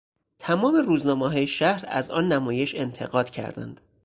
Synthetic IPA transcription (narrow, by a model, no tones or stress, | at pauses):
t̪ʰæmɒːme̞ruːznɒːmeɦɒːjeʃæhɾæ̰zɒ̰ːnːæmɒːje̞ʃe̞nt̪ʰe̞ɣɒːd̪̥cʰæ̰ɾd̪æ̰nd̪̥